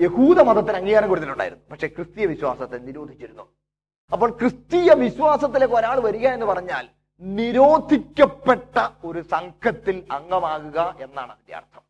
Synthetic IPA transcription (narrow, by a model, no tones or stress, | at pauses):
je̞huːðɐmɐðɐt̪ːinɐŋːijaːnɐŋkuɽut̪ːiluɳɖa̰ːjiɾunːupɐkʂe̞krɨst̪ijɐʋiɕwa̰ːsɐt̪ːeniɾo̞ːd̪ʱit͡ɕːiɾunːu | ɐpːo̞ːɭkrɨst̪iːjɐʋiɕwaːsɐt̪̬ːilekːoɾaːɭɨʋɐɾuɣɐe̞nːɨpɐrɐɲːaːl | niɾo̞ːd̪ʱikʲːɐpːeʈːɐo̞ɾusɐŋkʰɐt̪ːilɐŋɡɐmaːɣuɣɐʔe̞nːa̰ːɳɨʋid̪ja̰ːrt̪ʰɐm